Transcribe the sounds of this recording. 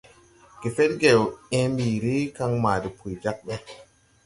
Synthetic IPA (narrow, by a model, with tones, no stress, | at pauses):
ɡe˨fe˦t̚ɡe˨wɛ̃˦mbiː˨ɾi˦ka˦ŋmaː˨di˨pʰu˨jd͡ʒa˦k̚ɓɛ˦